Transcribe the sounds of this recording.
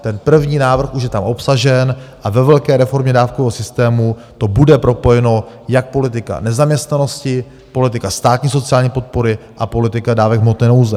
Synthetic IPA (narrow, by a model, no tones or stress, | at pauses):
t̪ɛnpr̩vɲiːnaːvr̩xuʃjɛt̪amʔo̞psaʒɛnʔavɛvɛlkɛːɾɛfo̞ɾmɲɛdaːfkovɛːɦosɪst̪ɛːmu | t̪o̞budɛpɾo̞po̞jɛno̞ | jak̚po̞lɪt̪ɪka̰nɛzamɲɛst̪nano̞scɪ | po̞lɪt̪ɪkast̪aːt̪ɲiːso̞t͡sɪaːlɲiːpo̞t̪̚po̞ɾɪʔapo̞lɪt̪ɪkadaːvɛɡmot̪nɛnowzɛ